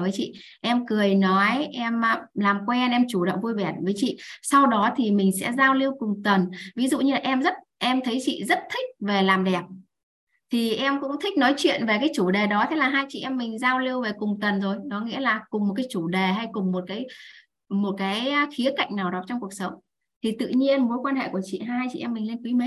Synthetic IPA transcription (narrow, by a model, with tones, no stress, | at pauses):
vəː˨˦jt͡ɕḭ˧˨ | ʔɛ˧mkɨ˨˩əjnɔ˨˦jʔɛ˧mː˧laː˨˩mkwɛ˧nʔɛ˧mt͡ɕu˧˩ɗə̰˧˨wŋ͡mvu˧jvɛ˧˩t̚vəː˨˦jt͡ɕḭ˧˨sa˧wɗɔ˨˦t̪ʰi˨˩mï˨˩ŋ̟sɛ̰˧˥zaː˧wli˧əwkʊ˨˩ŋ͡mt̪ə˨˩nvi˨˦zṵ˧˨ɲɨ˧laː˨˩ʔɛ˧mzə˦˥t̚ʔɛ˧mt̪ʰə˨˦jt͡ɕḭ˧˨zə˦˥t̚t̪ʰï˦˥k̟̚ve˨˩laː˨˩mɗɛ˨˩p̚ | t̪ʰi˨˩ʔɛ˧mkʊ̰˧˥ŋ͡mt̪ʰï̟˦˥nɔ˨˦jt͡ɕwḭ˧˨ənve˨˩kaː˨˦jt͡ɕu˧˩ɗe˨˩ɗɔ˨˦t̪ʰe˨˦laː˨˩ɦaː˧jt͡ɕḭ˧˨ʔɛ˧mːï˨˩ŋ̟zaː˧wli˧əwve˨˩kʊ˨˩ŋ͡mt̪ə˨˩nzo˨˩jnɔ˨˦ŋḭ˧˥əlaː˨˩kʊ˨˩ŋ͡mm̚˨˩k̬aː˨˦jt͡ɕu˧˩ɗe˨˩ɦa˧jkʊ˨˩ŋ͡mmo˨˩t̚kaː˨˦j | mo˨˩t̚kaː˨˦jxi˨˦əka̰˧˨jŋ̟naː˨˩wɗɔ˨˦t͡ɕɔ˧wŋ͡mku˨˩ək̚sə˨˦wŋ͡m | t̪ʰi˨˩t̪ɨ̰˧˨ɲi˧ənmo˨˦jkwaː˧nɦḛ˧˨ku˧˩ət͡ɕḭ˧˨ɦaː˧jt͡ɕḭ˧ʔɛ˧mːï˨˩ŋ̟le˧nkwi˨˦me˨˦